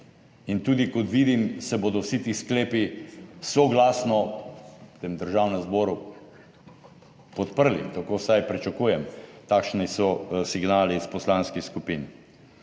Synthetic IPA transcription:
int̪uːd̪ikɔt̪ʋiːd̪imsɛboːd̪ɔwsit̪iːskleːpisɔɡlaːsnɔ | t̪eːmd̪əɾʒaːwnɛmzbɔːɾu | pɔt̪pəɾlḭt̪akoːsajpɾit͡ʃakuːjɛmt̪aːkʃnisɔsiɡnaːlispɔslaːnskixskupin

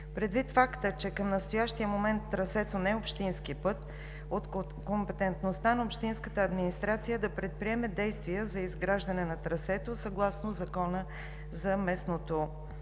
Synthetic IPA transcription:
pɾɛd̪vit̪fakt̪ət͡ʃɛkəmnəst̪ojaʃt̪ijəmomɛnt̪ːɾɐsɛt̪onɛopʃt̪inskipət̪ | ot̪ | kompɛt̪ɛnt̪nost̪anɐopʃt̪inskət̪əːd̪minist̪ɾat̪sijəd̪ɐpɾɛt̪̚pɾiɛmɛd̪ɛjst̪viəzɐizɡɾaʒd̪ɐnɛnɐt̪ɾɐsɛt̪osɐɡlˠasnozɐkɔnə | zɐmɛsnot̪o

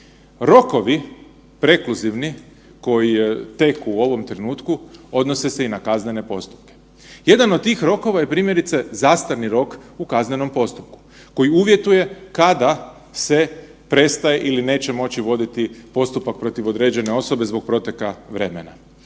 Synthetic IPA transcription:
ɾo̞ko̞ʋi | pɾe̞kluziʋni | ko̞jit̪e̞kuo̞ʋo̞mt̪ɾenuːt̪kuo̞d̪nose̞se̞inakazne̞ne̞po̞st̪u̥p̚ke̥ | je̞d̪anod̪̚t̪ːiːxɾo̞ko̞ʋajepɾiːmje̞ɾit̪se̞zast̪aɾniɾo̞kukazneno̞mpo̞st̪up̚ku̥ | ko̞jiuʋje̞t̪uje̞kad̪a | se̞ | pɾe̞st̪aje̞ʔiline̞ːt͡ɕe̞mo̞t͡ɕiʋo̞d̪it̪ipo̞st̪upak̚pɾo̞t̪iʋo̞d̪ɾe̞ːd͡ʑe̞ne̞o̞so̞be̞zbo̞ɡ̚pɾo̞t̪jekaʋɾe̞mena̰

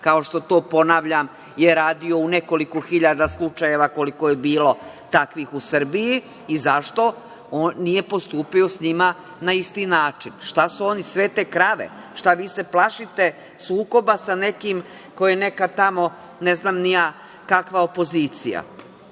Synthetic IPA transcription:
kao̞ʃt̪o̞t̪o̞ːpo̞naːʋʎam | jeɾaːd̪io̞une̞ko̞likoxiʎad̪aslˠut͡ʃaje̞ʋako̞likojebiːlo̞ | t̪akʋiːxusr̩bijiː | zaʃt̪o̞ | oːnːije̞po̞st̪uːpio̞sɲima | naist̪inaːt͡ʃinʃt̪asuo̞nisʋe̞t̪e̞ːkɾaʋḛ | ʃt̪aʋiːse̞plˠaʃit̪e̞ | suːko̞basane̞kim | ko̞jene̞kat̪amo̞ | neznaːmnija | kakʋaopo̞ziːt̪sija̰

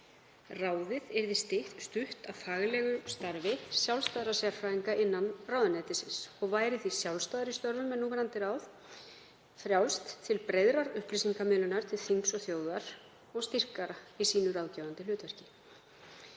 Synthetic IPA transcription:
raːwðɪðɛɾðɪst̪ɪht̪st̪ʏht̪awfaːɣlɛɣʏst̪aɾvɪsjawlst̪aːðɾasɛaaɾ̥fɾaːiŋkaʔɪnːanraːwðanɛt̪ɪsɪnsɔɣvaːjɾɪθisjawlst̪aːðɾist̪œɾvʏmɛnːuːmɛɾant̪ɪɾawð | fɾjawst̪ʰːɪlpɾejðɾaɾʏhplisiŋkamʏːlʏnaɾ̥t̪ʰɪlθiŋksɔθjoːwðaɾ̥ | ɔɣst̪ir̥kaɾaisiːnʏɾaːwcaːvant̪ɪlʏːt̪vɛr̥cɪ̥

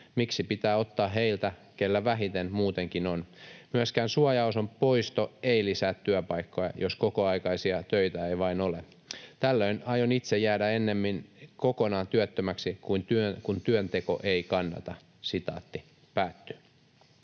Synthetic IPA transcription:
miksipit̪æːo̞t̪ːɑːɦeilt̪ækelːæʋæɦit̪enmuːt̪eŋkinonmyøskæːnsuɑjɑusompo̞ist̪oeilisæːt̪tyøpɑikːojɑ̰joskokoɑikɑisiɑt̪øit̪æeiʋɑinole | t̪ælːøinɑjonit̪sejæːdæenːemːinkokonɑːnt̪yøt̪ːømæksikuint̪ykunt̪yønt̪e̞ko̞̰ʔeikɑnːɑ̰t̪ɑ | sit̪ɑ̰ːt̪ːi | pæːt̪ːy̥

